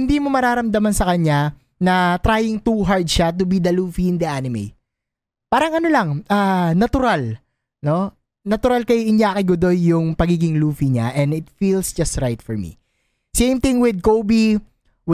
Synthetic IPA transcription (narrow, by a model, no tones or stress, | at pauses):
hɪnd̪iːmo̞mɐɾaːɾɐmd̪ɐmɐnsɐkɐɲːa | nɐt̪ɾaːjɪŋt̪uɦaɹd̪ʃat̪̬ʊbid̪ɐluːfiɪnd̪iʔanɪmḛj | paːɾɐŋɐnolɐŋʔanɐt̪ʊɾal | no̞ | nɐt̪ʊɾalkɐjʔɪnjaːkɪɡʊd̪o̞jːʊŋpɐɡiːɡɪŋluːfiɲaʔɛ̃nd̪ɪt̪fiːlsd͡ʒɐst̪ɾajt̪fɔɹmḭ | sẽjmt̪ɪ̃ŋwɪd̪̚kowbi | w